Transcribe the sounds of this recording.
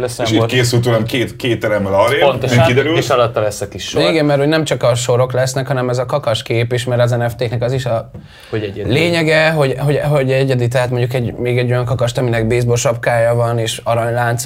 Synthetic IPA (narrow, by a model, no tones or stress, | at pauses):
lɛseʃikeːs̬ylt̪̬ulamkeːt̪keːt̪ːɛɾɛmːɛlɒɾepont̪oikkid̪ɛɾyleʃɒlɒt̪ːɒlɛsːɛkiʃʃiɡɛmmɛrho̞ɟnɛmt͡ʃɒkɒʃo̞ɾo̞klɛsnɛkhɒnɛmɛzɒkɒkɒʃkeːpeʃmɛɾɒzɛnɛft̪eːknɛkɒziʃɒ | oɛleːɲɛɡɛɦo̞ɟɦo̞ɟɦoɟɛɟɛd̪it̪̬ɛɦaːt̪moɲɟukɛɟmeːɡɛɟːo̞jɒŋkɒkɒʃt̪ɒminɛɡ̚beːzboʃɒpkaːjɒvɒneːʃɒɾɒɲlaːnt̪s